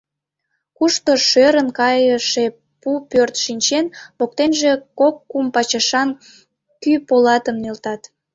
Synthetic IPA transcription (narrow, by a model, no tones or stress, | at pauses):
kuʃt̪oʃøɾənkɑjəʃe | pupørt̪ʃinʲt͡ɕenpok̚t̪enʒe̽kokːumpɑt͡ɕɑʃɑn | kypolɑt̪əmnelt̪ɑt̪